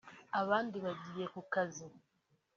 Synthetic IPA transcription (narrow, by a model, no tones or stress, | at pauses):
aβaːndiβaɟijekukazi